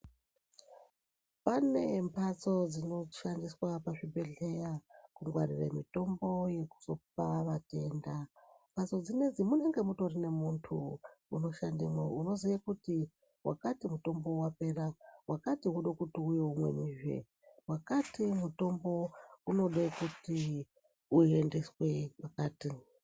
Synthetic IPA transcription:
pane̞mpʰat͡so̞d͡zino̞ʃandiswapaʐibʱe̞ɮe̞jakuŋɡwa̰rḭrḛmito̞mbo̞je̞ku̥so̞p̚aʋate̞ːndampʰat͡so̞d͡zine̞d͡zimune̞ŋɡe̞muto̞rine̞muntʰuːno̞ʃandemwouno̞zakuti | wʔa̰katimuto̞mbo̞wape̞rawakatiwuɗokutiujeumwe̞̰niːʒwḛ | wakatimuto̞mbo̞uno̞ɗekuti | uende̞swe̞pakaːti

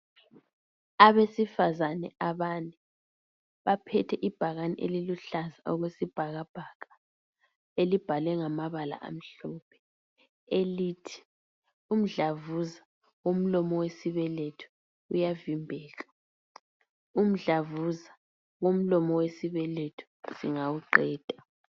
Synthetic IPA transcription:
aβesifazanɛ̰ʔaβanɛ | βapʰɛtʰɛʔib̥ʱaɣanḭʔeliluɬazaʔɔɣwesib̥ʱaɣab̥ʱaɣḁ | elib̥ʱalɛŋamaβala̰ʔa̰m̩ɬɔpʰɛ̥ | elitʰi̥ | um̩ɮavuza | ɣom̩lɔmɔwesiβɛletʰu̥ | ujavimbʱɛːɣa | um̩ɮavuza | ɣom̩lɔmɔwesiβɛletʰu̥ | siŋawuǃɛːd̥ʱa

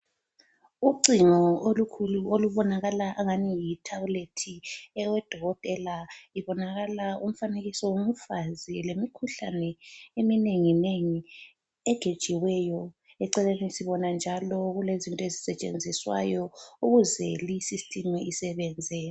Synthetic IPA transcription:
uǀiŋɔolukʰuluoluβɔnaɣalaʔaŋanijitʰauletʰiɛwɛd̥ʱɔɣɔtʼɛlaiβɔnaɣalaum̩faneɣisɔwomufazilemikʰuɬa̰nɛemineŋineŋi | ɛɡ̥ʱed̥ʒ̥ʱiwɛjɔ | ɛǀɛlenisiβɔnand͡ʒʱalɔɣulezintʼɔezisɛt͡ʃʼḛnd͡zʱiswa̰jɔuɣuzɛlisistʼimɛisɛβɛːnd͡zʱɛ

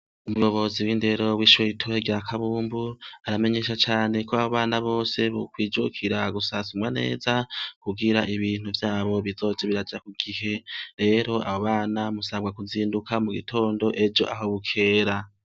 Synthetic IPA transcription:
umujo̞βo̞ziwiːnde̞ɾo̞wiːʃweitʰoheɡiɾakʰaβuːmbuaɾame̞ɲe̞ːʃat͡ʃaːne̞kʰo̞aβoβaːnaβo̞ːse̞βokwiːd͡ʒokʰiɾaɡusasumwane̞̰ːzakuɡiɾaʔiβiːn̥uvjaːβo̞βizo̞d͡ʒeβiɾad͡ʒakuɡ̥ihe̞ɾe̞ːɾo̞a̰hoβaːnamusaɡwakuziːndukamuɡitʰo̞ːndo̞ʔe̞d͡ʒo̞̰ʔaɦo̞βukʰe̞ːɾa

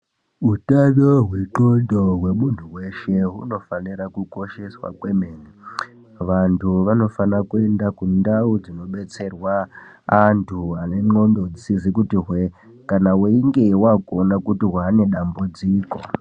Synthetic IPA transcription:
utaβoɦweǁondoɦwe̞muntʰuwe̞ʃe̞ɦuno̞faniɾakuko̞ʃe̞swa̰kwe̞meːni | ʋantʰuʋano̞fanakue̞ndakundaud͡zino̞ɓe̞t͡se̞rwaː | ntʰuane̞ŋ͡ǃo̞ndod͡zisizikutiɦwe | kanaweiŋɡe̞wakuonakutiɦwane̞ɗambud͡ziːko̞

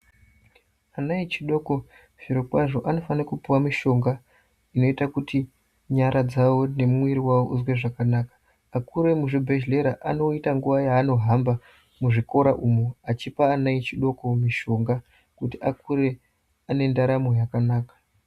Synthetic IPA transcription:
anait͡ʃiɗo̞ko̞ | v̥iɾokwaʐo̞ʔano̞fanakupuwamiʃo̞ŋɡa | ino̞itakuti | ɲaɾʔad͡zawo̞ne̞muwiɾiwawoʔuzwe̞ʐakanaːkḁː | kuɾe̞muʐibʱe̞ʃle̞ɾaʔano̞itaŋɡuʋajaːno̞ɦamba | muʐiko̞ɾaʔumoat͡ʃipaːnait͡ʃiɗo̞ko̞miʃo̞ŋɡa | kutiakuɾe̞ | ane̞ndaɾamo̞jakanaːkḁ

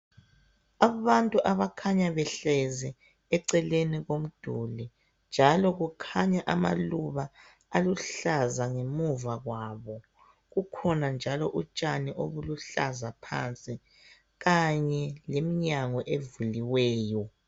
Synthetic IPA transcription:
aβantʼuʔaβakʰaɲaβɛɬɛzɛ | ɛǀɛleniɣom̩d̥ʱuli | nd͡ʒʱalɔɣukʰaɲaʔama̰luβaː | luɬazaŋemuvaɣwaβɔ | ɣukʰɔnand͡ʒʱalɔʔut͡ʃʼaniʔoβuluɬa̰zapʰa̰nt͡sʼi | ɣaɲɛlemiɲaŋɔʔevuliwɛːjɔ

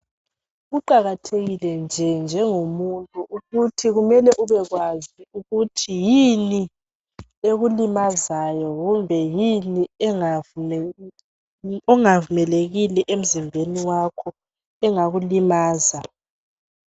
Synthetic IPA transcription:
ɣuǃaɣatʰeɣilɛnd͡ʒʱɛnd͡ʒʱɛŋomuntʼuʔuɣutʰiɣumɛlɛʔuβɛɣwaziuɣutʰijini | eɣulimazajɔɣumbʱɛjiniɛŋ | ɔŋavumɛleɣilɛʔem̩zimbʱeniwakʰɔ | ɛŋaɣulimaːza

